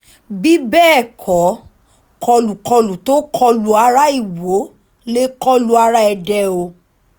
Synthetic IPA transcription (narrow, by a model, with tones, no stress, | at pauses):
bi˦bɛː˦˨kʰɔ˨˦ | kʰɔ˧lu˨kɔ˧lu˨to˦kʰɔ˧lu˧a˧ɾa˦i˦˨wo˨˦ | le˦kɔ˦lu˧a˧ɾa˦ɛ˧dɛ˧o˧